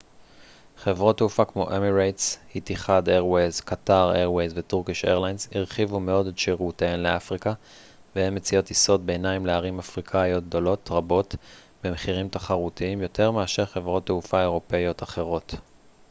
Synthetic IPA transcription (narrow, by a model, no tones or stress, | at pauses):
χe̞vʁotːeufakmo̞̰ʔemiʁajtshitiχadeʁwejzkataʁeʁwejzvetuʁkiʃḛʁlajnsiʁχivume̞o̞detʃeʁuteenle̞afʁika | vehemːet͡sijo̞tiso̞t̚be̞ːnaimleaʁimafʁikʰajo̞t̚d̪o̞lo̞tʁabo̞t | bemeχiʁimtaχaʁutiimjo̞te̞ʁmeaʃeʁχe̞vʁo̞tːeufae̞ʁo̞pe̞jo̞taχe̞ʁo̞t